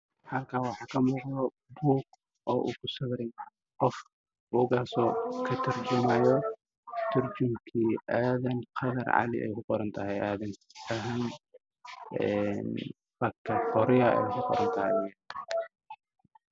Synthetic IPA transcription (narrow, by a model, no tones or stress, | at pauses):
hɐlkʰaːwɑħɑːkʰɐmʊːqd̪ɔ | buːɡ̚ | ʔɔːʔṵkʰʊsɐβɾɪn | qɔf | buːɡaːsɔːkʰɐt̪ʰɐɾd͡ʒɪmajɔ | t̪ʰɪɾd͡ʒʊmkʰiʔaːðɐnqʰɐðɐɾʕɑ̰lɪ̰ʔɛ̰jkʰʊqɔɾɐnt̪ʰɐɦɛjʔaːðɐnɐɦɐn | ɛn | fɐkʰːɐqɔɾɪjɐɛ̰jkʊqɔ̰ɾɐnt̪ʰɐhɛjj